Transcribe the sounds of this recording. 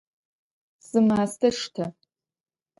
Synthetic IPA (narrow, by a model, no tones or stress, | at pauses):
z̥ɨmaːstʰɐʂtʰɐ